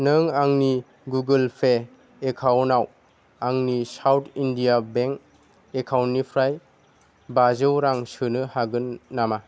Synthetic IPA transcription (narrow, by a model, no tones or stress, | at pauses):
nɯŋaŋni | ɡuɡɯlpʰeː | kʰawnaw | aŋnisawtʰindijabeŋk | ekʰawnipʰɾaj | bazɯwɾaŋsɯnɯhaɡɯnːama